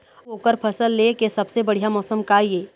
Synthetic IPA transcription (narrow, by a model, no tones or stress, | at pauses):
oːkəɾpʰɐsəlːekesɐbsebɐɽ̤ijamɔːsəmkaieː